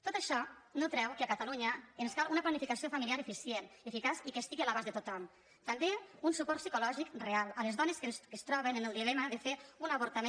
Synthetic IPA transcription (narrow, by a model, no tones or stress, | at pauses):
t̪ot̪əʃɔ | not̪ɾɛwkeakat̪aluɲəːnskalunaplanifikasiofamiliaɾefisjenefikasikest̪iɣialaβazðet̪ot̪ɔm | t̪ambeunsupɔɾt̪sikulɔʒikrealˠəlezðɔneskenskest̪ɾɔβ̞enenelˠd̪ilɛmaðefeunaβoɾt̪ame